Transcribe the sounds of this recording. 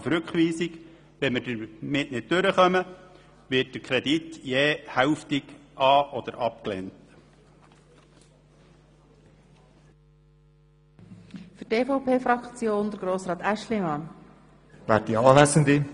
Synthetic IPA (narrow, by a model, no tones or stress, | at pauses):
fɾʉkχʋiːsik | ʋɛnmədəmɪtnɪd̚tøɾəχœmə | ʋɪt̚d̥əɾkʰɾɛdit̪jɛːhæwftiɡʔɑːʔɔd̪əɾʔɑp̚klḛnt | fyteːfɔʊpʰeːfɾɑkt͡sjoːnd̪əɾɡ̥ɾoːsɾɑːt̪æʃlimɑn | væːdiɑːlæsənd̪i